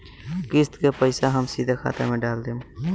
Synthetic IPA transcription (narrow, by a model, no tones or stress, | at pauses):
kɪst̪kepəɪsaɦəmsid̪ʱakʰa̰ːt̪ḛmẽɖaːld̪ẽ